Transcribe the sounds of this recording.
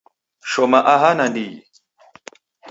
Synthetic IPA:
ʃomaʔaɦanɐndi

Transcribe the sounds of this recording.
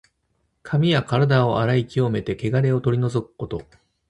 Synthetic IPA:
kʰamʲijakaɾad̪ao̞ʔaɾaikʲio̞me̞t̪e̞ke̞ɡaɾe̞o̞t̪o̞ɾʲino̞zo̞kɯ̟̥ko̞t̪o̞

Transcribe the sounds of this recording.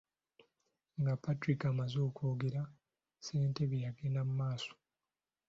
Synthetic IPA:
ŋɡapːatɾikamazoːkoːɡeɾa | se̞ːnte̞βjjaɡenamumaːso̥

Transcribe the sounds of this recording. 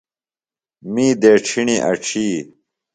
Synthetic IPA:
miːd̪eːʈ͡ʂʰiɳiʔɐ̰ʈ͡ʂʰiː

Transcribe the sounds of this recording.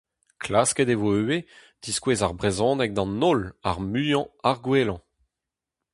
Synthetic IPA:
kʰlaskɛd̪evoøwe | d̪̥iskweːzaʁbʁezɔ̃ːnɛk̚d̪ɑ̃nɔla̰ʁmyjɑ̃aʁɡwelɑ̃

